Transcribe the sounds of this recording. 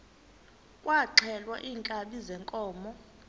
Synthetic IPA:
kʼwaǁʰɛlwa̰ʔiːŋkʼaɓizɛŋkʼɔːmɔ

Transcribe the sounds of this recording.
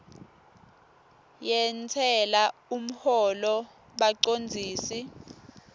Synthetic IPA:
jɛntʰɛlaum̩hɔlɔ | ɓaǀond͡zʱiːsi

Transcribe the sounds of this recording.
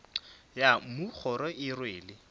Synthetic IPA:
jamʊk͡xʰɔɾɔʔɪrweːlɪ

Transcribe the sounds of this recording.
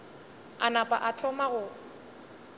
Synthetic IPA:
anapʼa̰ʔatʰɔmaɣʊ

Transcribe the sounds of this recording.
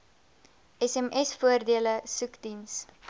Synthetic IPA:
ɛsɛmɛsfuərdiələsʉkdins

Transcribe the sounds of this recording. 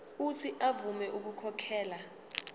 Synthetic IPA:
utʰiʔavumɛʔuk̬ukʰɔkʰɛːla

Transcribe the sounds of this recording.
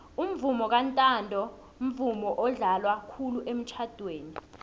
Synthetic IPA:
um̩vumɔk̬antʼandʱɔ | m̩vumɔʔɔɮalwakʰuluʔem̩t͡ʃʰad̥ʱweːni

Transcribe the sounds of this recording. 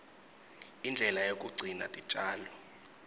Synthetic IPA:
ind͡ɮʱɛlajok̬ʼuɡ͡ǀʱina̰tʼit͡ʃʼaːlɔ

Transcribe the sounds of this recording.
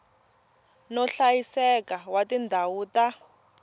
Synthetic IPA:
nɔɬajisɛkawatindʱawuːta

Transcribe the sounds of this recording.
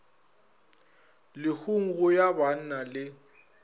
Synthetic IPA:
lɪhuŋ̩ɣʊjaban̩nalɪ

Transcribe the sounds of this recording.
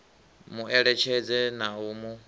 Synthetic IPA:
muʔɛɺɛt͡ʃʰɛd͡zɛnaumu

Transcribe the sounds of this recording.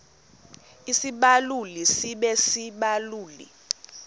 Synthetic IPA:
isiɓalulisiɓɛsiɓaluːlḭ

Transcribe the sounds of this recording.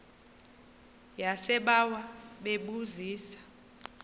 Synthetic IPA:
jasɛɓawaɓeɓuziːsḁ

